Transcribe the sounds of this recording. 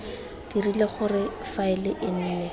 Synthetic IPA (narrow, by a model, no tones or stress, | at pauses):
d̥irileχʊrɪfaɪlɪʔɪn̩ːnɛ